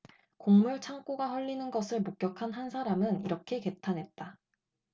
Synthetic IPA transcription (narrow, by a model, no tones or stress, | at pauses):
koŋmuɭt͡ɕʰaŋk͈uɡaɸwʌʎːinɯnɡʌsʰɯɭmok̚k͈jʌkʰanɦansʰaɾamɯniɾʌkʰe̞ke̞tʰanɦe̞t̚t͈a